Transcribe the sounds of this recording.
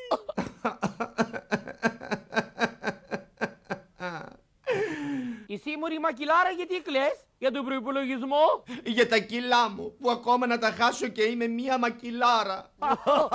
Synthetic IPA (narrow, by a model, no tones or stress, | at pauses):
isimuɾimɐcilɐɾɐʝɐt̪ikles | ʝɐt̪obɾoipoloʝizmoʝɐt̪ɐcilɐmupuɐko̞mɐnɐt̪ɐxɐsoce̞ime̞miɐmɐcilɐɾɐ